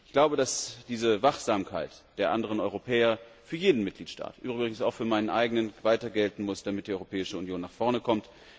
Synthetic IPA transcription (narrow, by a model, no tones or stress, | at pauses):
ɪçɡ̥laʊbədasd̥iːzəvaχz̥aːmkʰa̰ɪtd̥eːɐʔandəʁ̞ənɔʏʁopʰɛːɐfyːɐjeːdn̩mɪt̚ɡ̥liːtʃtʰa̰ːtʔyːbʁɪbʁɪɡŋ̩saʊxfyːɐmaɪnənʔa̰ɪɡənənvaɪtɐɡɛltn̩mʊsd̥amɪt̚d̥iːʔɔʏʁopʰɛːɪʃəʊnjoːnːaːχfɔɐnəkʰɔmt